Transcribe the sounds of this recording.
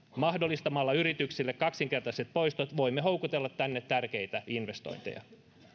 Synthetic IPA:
mɑhdolːˑist̪ɑmɑlːɑyrit̪yksilːekkɑksiŋke̞rt̪ɑset̪̚po̞ist̪ot̪ʋoimːeɦowkut̪elːɑt̪ːænːet̪tærkejt̪æinʋest̪o̰jnt̪ḛjɑ̰

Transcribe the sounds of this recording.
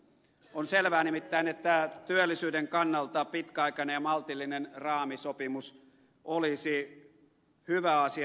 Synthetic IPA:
onselʋæːnimit̪ːæinet̪ːæt̪yølːˑisyːdeŋkɑnːɑlt̪ɑpit̪kæɑikɑnejjɑmɑlt̪ilːinenrɑːmisopimus | ʔolisi | hyʋæɑsi

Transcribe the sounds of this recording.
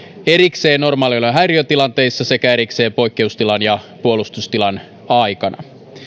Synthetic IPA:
e̞ɾikse̞ːno̞rmɑːliolːɑɦæjriøt̪ilɑnt̪e̞jsːɑse̞kæe̞ɾikse̞ːpo̞jkːe̞ust̪ilɑnjɑpuo̞lust̪ust̪ilɑn | ɑjkɑnʔɑ̰

